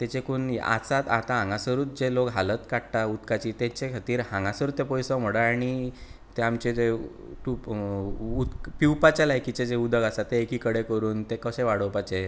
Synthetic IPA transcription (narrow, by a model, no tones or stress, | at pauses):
t̪et͡ɕekuna̰t͡sat̪at̪ãɦãŋɡasəɾuːt̪̚d͡zelokɦalət̪kaɽʈ̪aut̪kat͡ɕit̪ẽt͡ɕekʰat̪iːɾhãŋɡasəɾuːt̪epɔjsə̃m̤oɽaaɽ̃i | t̪eamt͡ɕed͡ze | ʈup | ut̪kpiwpat͡ɕalajkit͡ɕed͡zeud̪ʱəɡasat̪ːeːkiːkəɽekəɾuːnt̪ekəɕẽʋaɽ̤əwpat͡ɕe